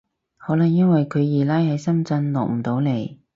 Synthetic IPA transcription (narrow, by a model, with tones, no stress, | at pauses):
hɔː˨˥lɐ˨˩ŋjɐ˥nwɐ˨jkʰɵ˨˧ɥjiː˨˩laː˥jhɐ˨˥jsɐ˥mt͡sɐ˧nlɔ̰ː˨k̚m̩˨˩t̪o˨˥wle˨˩j